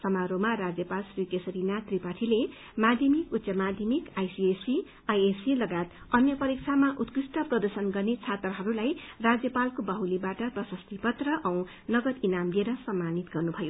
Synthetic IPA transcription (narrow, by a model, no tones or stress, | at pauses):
sʌmaɾomarad͡zjʌpalsrikesʌɾinat̪ripaʈʰile | mad̪ʱjʌmikut̪ːsʌmad̪ʱjʌmikajsiesi | ajesilʌɡat̪ | ʌnjʌpʌɾik̚t͡sʰamaʔut̪krisʈʌprʌd̪ʌsʌnɡʌrnet͡sʰat̪rʌɦʌɾulajrad͡zjʌpalkobʌɦwlibaʈʌprʌsʌst̪ipʌt̪rʌʔʌw̃ | nʌɡʌt̪inamlieɾʌsʌmːanit̪ɡʌrnubʱʌjo